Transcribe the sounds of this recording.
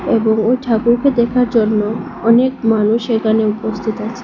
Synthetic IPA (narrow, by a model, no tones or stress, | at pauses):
eboŋojʈʰakuɾked̪ɛkʰaɾd͡ʑonːo | ɔnekmanuʃekaneupost̪ʰit̪oat͡ɕʰe̥